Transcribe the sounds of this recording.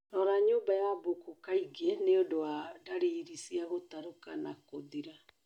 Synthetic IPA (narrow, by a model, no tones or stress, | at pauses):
ɾɔɾaɲoːmbajabokokaiɡeneodowadaɾiɾisiaɣotaɾokanakoðiɾa